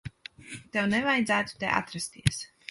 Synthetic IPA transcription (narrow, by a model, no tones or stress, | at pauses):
t̪ɛwnɛvajd̪zæːt̪u̥t̪ḛʔa̰t̪ɾast̪iɛs